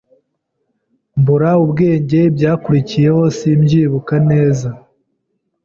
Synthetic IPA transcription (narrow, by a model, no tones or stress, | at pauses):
mbuɾaubɡe̞ːɲɟe̞bɟaːkuɾicije̞ho̞siːmɟiːβukane̞ːza